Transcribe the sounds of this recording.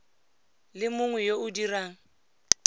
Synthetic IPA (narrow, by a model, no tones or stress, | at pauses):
lɪmʊŋwɛjoʊdiraːŋ̩